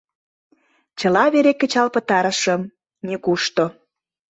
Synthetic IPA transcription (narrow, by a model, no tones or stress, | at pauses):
t͡ɕəlɑβeɾekːə̆t͡ɕɑlpə̆t̪ɑɾə̆ʃəm | nekuʃt̪o